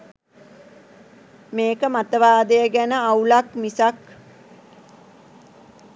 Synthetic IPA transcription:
meːkəmat̪əʋaːd̪əjəɡænəaulakmisak

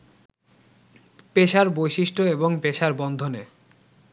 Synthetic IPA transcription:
peʃaɾbojʃiʃʈoeboŋpeʃaɾbɔnd̪ʱone

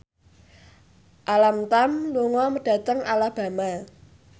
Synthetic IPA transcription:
ʔalamt̪amluŋɔməɖ̥ä̤t̪əŋalahb̥ä̤ma

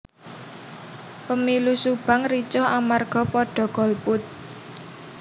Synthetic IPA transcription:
pəmilusub̥a̤ŋrit͡ʃɔhamarɡ̥ɔ̤pɔɖ̥ɔ̤ɡ̥ɔ̤lpʊt̪̚

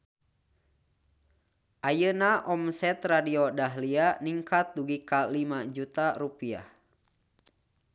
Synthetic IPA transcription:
ʔajənaʔɔmsɛt̪radiodaɦlianiŋkat̪̚duɡikalimad͡ʒut̪aɾupia̰h

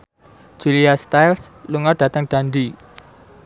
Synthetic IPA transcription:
d̥ʒ̥uliast̪ajlsluŋɔrɖ̥ä̤t̪əŋd̪̥and̪i

